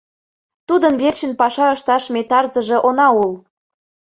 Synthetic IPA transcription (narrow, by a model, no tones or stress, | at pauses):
t̪ud̪ənβerɕənpɑʃɑəʃt̪ɑʃmet̪ɑrzə̆ʒĕʔonɑul